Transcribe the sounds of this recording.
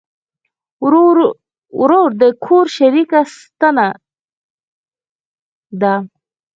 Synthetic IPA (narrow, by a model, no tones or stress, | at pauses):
ɾoɾd̪əkʰoɾʃaɾikast̪ana | d̪a